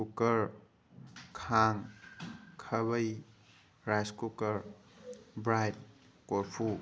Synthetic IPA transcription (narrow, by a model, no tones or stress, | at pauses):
kukɐɾ | kʰaŋ | kʰɐβəj | ɾajskukɐɾ | bɾajt̚ | koɾpʰu